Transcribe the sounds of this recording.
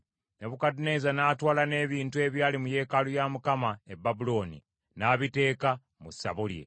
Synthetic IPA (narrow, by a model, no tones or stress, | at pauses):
neβukadine̞zanaːtwaːlane̞ːβiːntue̞βjaːlimuje̞ːkalujamukamaebːabulo̞ːnḭ | naːβite̞ːka | musːa̰βulje̞̰